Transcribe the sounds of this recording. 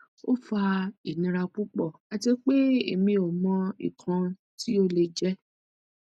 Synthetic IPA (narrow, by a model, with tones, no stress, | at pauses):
o˦fa˧i˨nĩ˧ɾa˧k͡pu˦k͡pɔ˦˨a˧ti˧k͡pe˦e˨mĩ˧o˨mɔ̃˧ḭ˨kʰã˧ | ti˦o˦le˧d͡ʒɛ˦